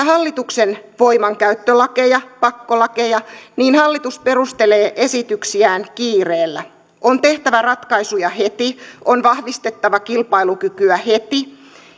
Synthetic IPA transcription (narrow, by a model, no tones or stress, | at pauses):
ɦɑlːit̪uksenʋoijmɑŋkæyt̪ːølɑke̞jɑpɑkːolɑke̞jɑniːnhɑlːit̪uspe̞rust̪e̞le̞ːʔe̞sit̪yksiæːŋkiːreːlːæ | ʔont̪e̞ht̪æʋærɑt̪kɑisujɑhe̞t̪iʔonʋɑhʋist̪e̞t̪ːɑʋɑkilpɑilukykyæhe̞t̪i